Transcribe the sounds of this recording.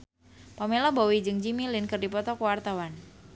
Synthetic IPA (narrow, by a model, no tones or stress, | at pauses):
pamelɔbowid͡ʒɨŋd͡ʒimilɪnkɨrdipɔt̪ɔkuwart̪awan